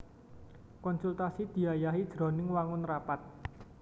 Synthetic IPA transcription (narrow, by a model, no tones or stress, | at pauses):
kɔnsult̪asid̪̥i̤ajaɦid̥ʒ̥ɾɔ̤nɪŋwaŋʊnrapat̪̚